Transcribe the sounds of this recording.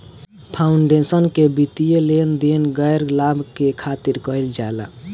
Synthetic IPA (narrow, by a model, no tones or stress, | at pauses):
pʰauɳɖesənkebit̪ijelend̪enɡəjɾlabʱkekʰat̪iɾkəɦild͡ʒaela̰